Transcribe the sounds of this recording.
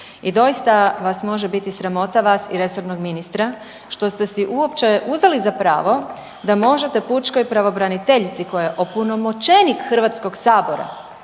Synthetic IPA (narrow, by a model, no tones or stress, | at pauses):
id̪o̞jist̪aʋasmo̞ʒe̞bit̪isɾamo̞t̪aʋaːsiɾe̞so̞ɾnoɡminist̪ɾa | ʃt̪o̞st̪e̞siʔuopt͡ʃe̞ʔuzʋalizapɾa̰ːʋo̞ | d̪amo̞ʒe̞t̪e̞put͡ʃko̞jpɾaʋo̞bɾanit̪e̞ʎt̪siko̞jjeʔopuno̞mot͡ʃe̞nikxr̩ʋat̪sko̞ɡsaːbo̞ɾa̰